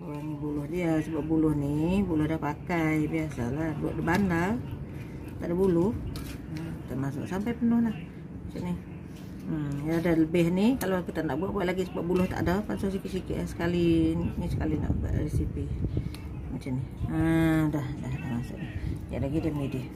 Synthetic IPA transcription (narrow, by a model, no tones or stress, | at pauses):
anibulʊhdiasəbap̚bulʊhnibulʊhdahpakajbiasalahbua̰ʔdəbandal | t̪aʔdabulʊh | kit̪amas̬ʊ̰ʔsampajpənʊhlah | mat͡ʃaʔnih | jaadaləbɪhnikalokit̪anaʔbuaʔ̚buaʔlaɡisəbap̚bulʊht̪a̰ʔdapansaʔs̬ikiʔsikɪ̰ʔasə̥kalinisə̥kalina̰ʔba̰ʔɾesipi | mat͡ʃamnihədahdaht̪amasʊ̰ʔnija̰ʔlaɡidamidɪh